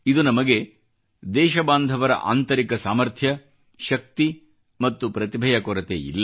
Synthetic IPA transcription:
id̪unɐmɐɡe̞ | d̪ɛːʃɐbaːnd̪ʱɐʋɐɾɐ̰ʔa̰ːnt̪ɐɾikɐsaːmɐɾt̪ʰjɐ | ʃɐk̚t̪i | mɐt̪ːupɾɐt̪ibʱɐjɐkɔɾɐt̪ḛḭlːɐ

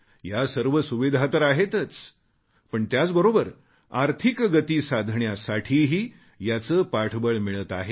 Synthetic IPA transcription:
jasəɾʋəsuʋid̪ʱat̪əɾaɦet̪ət͡s | pəɳt̪jat͡sbəɾobəɾ | aɾt̪ʰikɡət̪iːsad̪ʱɳjasaʈʰiːɦiː | jat͡səpaʈʰbəɭmiɭət̪aɦe

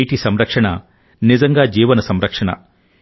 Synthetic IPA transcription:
ʈisɐmɾɐkʂɐɳɐ | nizɐŋɡaːd͡ʒiːʋɐnɐsɐmɾɐkʂɐɳɐ̰

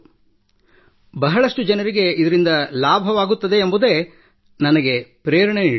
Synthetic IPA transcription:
bɐɦɐɭɐʂʈud͡ʒɐnɐɾiɡe̞id̪ɐɾind̪ɐlaːbʱɐʋaːɡut̪ːɐd̪e̞ːmbud̪e̞ː | nɐnɐɡepɾeːɾɐɳeniː

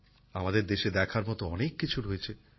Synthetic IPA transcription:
amad̪eɾd̪eʃed̪ɛkʰaɾmɔt̪oɔnekːit͡ɕʰuɾojet͡ɕʰe

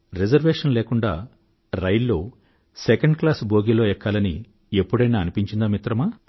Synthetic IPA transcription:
ɾed͡ʒɐɾʋeːʂɐnleːkuɳɖa̰ː | ɾɐjlːo̞ː | sekɐɳɖklaːsbʱoːɡilo̞ːɛkːaːlɐnḭ | epːuɽɐjnaːɐnipiɲt͡ʃind̪aːmit̪ɾɐmaː

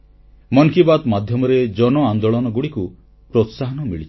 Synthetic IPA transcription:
mɔŋkibat̪mad̪ʱjɔmɔɾed͡ʒɔnɔand̪oɭɔnɔɡuɽiku | pɾot̪saɦɔnɔmiɭit͡ʃʰ

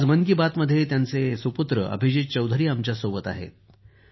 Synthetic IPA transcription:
d͡zmənkibat̪məd̪ʱjet̪jant͡sesuput̪ɾəʔə̰bʱid͡ʑit̪̚t͡ɕəwd̪ʱəɾiːamt͡ɕjasobət̪a̰ɦḛt̪̚

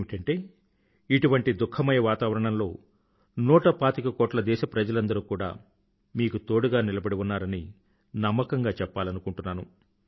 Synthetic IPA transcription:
mikɐɳʈe̞ː | iʈuʋɐɳʈid̪ukʰːɐmɐjɐʋaːt̪aːʋɐɾɐɳɐmlo̞ː | nɔːʈɐpaːt̪ikɐkɔːʈlɐd̪ɛːʃɐpɾɐd͡ʒɐlɐnd̪ɐɾuːkuːɽa̰ː | miːkut̪o̞ːɽuɡaːnilɐbɐɽiunːaːɾɐni | nɐmːɐkɐŋɡaːt͡ʃɛpːaːlɐnukuɳʈunːaːnu

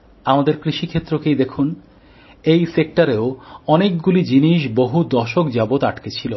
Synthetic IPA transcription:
amad̪eɾkɾiʃikʰet̪ːɾokejd̪ekʰun | ejsek̚ʈaɾeoɔnek̚ɡulid͡ʑiniʃ̬boɦud̪ɔʃokd͡ʑabot̪aʈket͡ɕʰilo

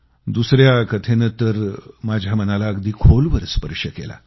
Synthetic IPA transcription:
d̪usɾjakət̪ʰenət̪əɾmad͡ʑʱjamənalaəɡd̪ʱiːkʰolʋəɾəspəɾɕəkḛla̰

